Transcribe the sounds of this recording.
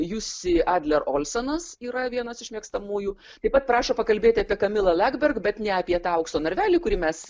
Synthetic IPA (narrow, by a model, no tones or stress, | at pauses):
jusʲɪʔɑːd̪ʲlʲɛɾoːlʲsʲɐnɐsiːɾɐʋʲiɛnɐsɪʃʲmʲiɛkst̪ɐmuːjuː | t̪ɐɪpɐt̪̚pɾɑːʃoːpɐkɐlʲbʲeːt̪ʲɪɐːpʲiɛkɐmʲɪlˠɐlʲæɡbʲɛrkbʲɛt̪nʲɛɐpʲiɛt̪ɑːɐʊkst̪oːnʲɐɾʲʋʲæːlʲiːkʊɾʲiːmʲɛs